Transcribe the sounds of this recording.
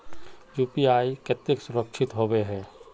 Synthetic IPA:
juːpiaːikət̪ɪksʊɾəkʃʰɪt̪ɦobeɦɛ̃ː

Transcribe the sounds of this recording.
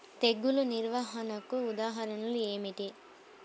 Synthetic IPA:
t̪eɡːuluniɾʋaːɦɐnɐkuːd̪aːɦɐɾɐnɐlue̞ːmiʈi

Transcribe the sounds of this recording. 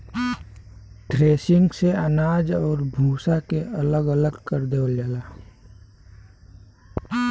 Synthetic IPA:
ʈɾeːsɪ̃ŋɡseənaːd͡ʒɔːɾbʱuːsakeələɡələɡkəɾd̪ewld͡ʒaːlaː

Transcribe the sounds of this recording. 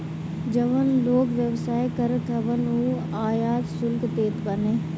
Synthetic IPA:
d͡ʒəʋənloːkʋjəʋsaːekəɾkɐʋənuː | aːjaːt̪sʊlkt̪eːt̪bəneː

